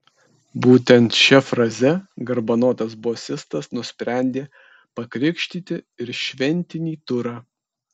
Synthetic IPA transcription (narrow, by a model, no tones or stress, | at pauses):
buːt̪ʲɛnt̪ʃʲɛfɾɐzʲɛɡɐɾbɐnoːt̪ɐsboːsʲɪst̪ɐsnʊsʲpʲɾʲæˑnʲd̪ʲeː | pɐkɾʲɪkʃʲt̪ʲiːt̪ʲɪɪɾʃʲʋʲɛnʲt̪ʲɪnʲiːt̪ʊɾɑː